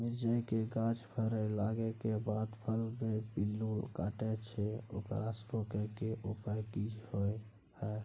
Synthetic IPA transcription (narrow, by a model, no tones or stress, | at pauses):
mid͡ʒəjkeɡãd͡ʒpʰəɾəjlaɡekebad̪pʰəlbebilːulkaʈɛt͡ʃʰɛokə̰ɾasɾokekeʔupajkid͡ʒhoj | hə